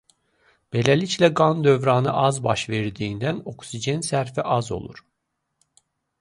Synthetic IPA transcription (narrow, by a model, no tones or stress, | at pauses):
b̥elʲælʲiclʲɛɡand̪ø̞vɾɑːnɯʔɑzbɑʃveɾd̪iːnd̪æno̞ksid͡ʒɛnsæɾfiʔɑzo̰lˠṵɾ̥